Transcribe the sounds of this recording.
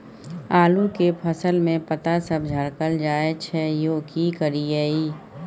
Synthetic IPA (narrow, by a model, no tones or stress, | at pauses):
aːlukepʰəsəlmẽpət̪asəb̚d͡ʒʱəɾkəld͡ʒaːet͡ʃʰɛjoːkikəɾiɛːiː